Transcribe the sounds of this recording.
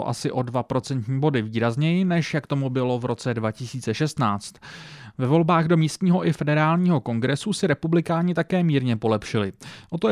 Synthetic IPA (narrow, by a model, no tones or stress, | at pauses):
ʔa̰sɪʔo̞dvapɾo̞t͡sɛnt̪ɲiːbo̞dɪviːɾazɲɛjɪnɛʃjakt̪o̞mubɪlo̞vɾo̞t͡sɛdvacɪsiːt͡sɛʃɛst̪naːt͡st̪vɛvo̞lbaːɣdo̞miːst̪ɲiːɦo̞ʔɪfɛdɛɾaːlɲiːɦo̞ko̞ŋɡɾɛsusɪɾɛpublɪkaːɲɪt̪akɛːmiːɾɲɛpo̞lɛpʃɪlɪʔo̞t̪o